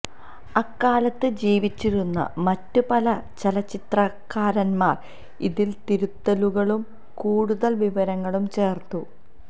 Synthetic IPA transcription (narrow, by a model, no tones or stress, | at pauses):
ɐkːaːlɐt̪ːɨd͡ʑiːʋit͡ɕːiɾunːɐ̰mɐtːupɐlɐt͡ɕelɐt͡ɕːit̪rɐkːaːɾɐnmaːr | iðilt̪iɾut̪ːɐluɣɐɭum | kuːɽuðɐlʋiʋɐɾɐŋːɐɭumt͡ɕe̞ːrt̪u